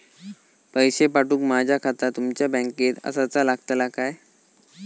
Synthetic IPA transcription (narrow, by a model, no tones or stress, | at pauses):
pəjɕepaʈuːkmad͡ʑʱjakʰat̪at̪umt͡ɕjabə̃ŋket̪ə̰sat͡salaɡt̪əlakaj